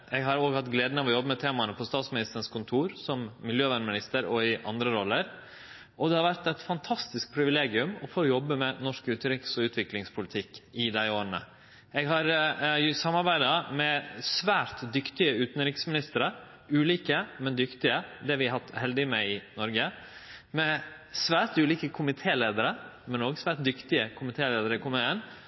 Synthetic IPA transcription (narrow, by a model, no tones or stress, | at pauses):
ɛɡɦɑɾoːɡhɑt̪ɡleːd̪nəʋɔjɔbːəmɛt̪ʰeːmɑnəpʰɔst̪ɑːt̪smɪnɪst̪əɳ̩skʰʊnt̪ʰuːɾsɔmːɪljøːʋæɳmɪnɪst̪əɾɔɪʔɑ̰nd̪ɾəɾɔlːəɾ | ɔd̪ɛhɑɾʋæɾt̪ɛt̪fɑnt̪ʰɑst̪ɪsk̚pʰɾɪʋɪleːɡɪʉmɔfoːjɔbːəmɛnɔʂkʉːt̪nɾɪksɔʉːt̪ʋɪklɪŋspʰʊlɪt̪ʰɪkːɪd̪æɪoːɾənə̰ | ɛɡɦɑɾsɑmːɑɾbæɪd̪ɑmɛsʋæːɾt̪d̪ʏkt̪ɪəʉːt̪n̩ɾɪksmɪnɪst̪əɾə | ʉːliːkəmɛnd̪ʏkt̪ɪəd̪ɛʋɪhɑt̪ːhɛld̪ɪmɛɪnɔɾɡə | mɛ | sʋæːɾt̪ʉːliːkəkʰʊmɪt̪ʰeːleːd̪əɾəmɛnoːɡsʋæːɾʈ̚d̪ʏkt̪ɪəkʰʊmɪt̪ʰeːleːd̪əɾəɪkʰɔməen